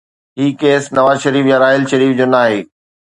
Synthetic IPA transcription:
ɦiːkeːsnɐʋaːzʃɐɾiːfjaɾaːɦɪlʃɐɾiːfd͡ʑoːnaːɦeː

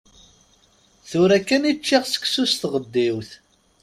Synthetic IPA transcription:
θʊɾækːænit͡ʃːiʁsə̥ksust̪ʁəd̪ːiwθ

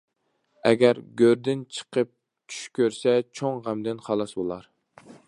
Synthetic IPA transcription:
ɛ̰ɡʲæɾɡʲøɾd̪ɪnt͡ʃʰə̥qʰəp̚ | t͡ʃʰy̥ʃkʲøɾsɛt͡ʃʰoŋʁæmd̪ɪnχɑlˠɑsbolˠɑɾ

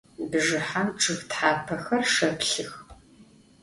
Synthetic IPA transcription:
bɨʒɨħamʈ͡ʂʰʼɨxtħaːpʰɐxɐrʂɐpʰɬɨx

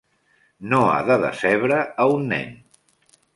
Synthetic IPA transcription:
noa̰ðəðə̰sɛβɾəːunːɛ̰n

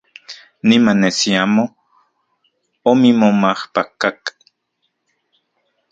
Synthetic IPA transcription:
nimanesiamo | omimomahpakak

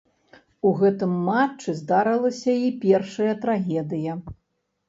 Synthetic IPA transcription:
uɣɛt̪ɨmːat͡ʂːɨzd̪aɾɐlˠɐsʲɐipʲɛrʂɐjɐt̪ɾaɣʲɛd̪ɨjɐ

